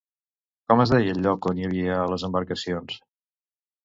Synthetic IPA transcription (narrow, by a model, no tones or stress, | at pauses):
kɔməzðɛjəʎːɔkonjəβ̞iələzəmbəɾkəsions